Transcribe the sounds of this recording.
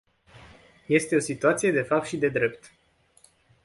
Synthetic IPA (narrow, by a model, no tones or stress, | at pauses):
je̞st̪e̞o̞sit̪uat̪sije̞d̪e̞fap̚t̪ʃid̪e̞d̪ɾe̞pt̪